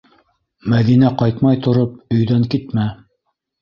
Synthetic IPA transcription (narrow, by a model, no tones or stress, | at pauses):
mæðinæqɑjt̪mɑjt̪ŏɾop̚ɵ̆jðæŋkit̪mæ